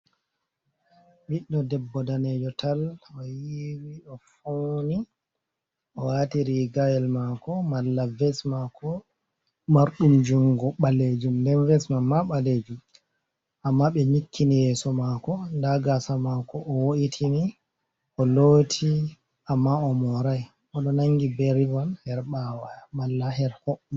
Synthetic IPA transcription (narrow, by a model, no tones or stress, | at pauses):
ɓiɗːɔdɛbːɔdaned͡ʒɔtʰalɔjiwiɔfoni | ʔɔwatiɾiɡajɛlmakɔmalːavɛsmakɔ | maɾɗumd͡ʒuŋɡɔɓaled͡ʒumndɛnvɛsmamːaɓaled͡ʒum | ʔamːaɓɛɲikʰːinijɛsɔmakɔndaɡasamakɔʔːwoʔitʰini | ʔɔloːtʰi | ʔamːaɔmɔɾaj | ɔɗɔnaŋɡibɛɾivanhɛɾɓawamalːahɛɾhɔ